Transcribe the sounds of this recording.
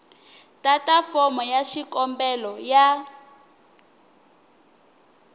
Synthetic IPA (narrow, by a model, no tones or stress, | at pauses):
tʼatʼafɔmɔjaʃikɔmbɛlɔja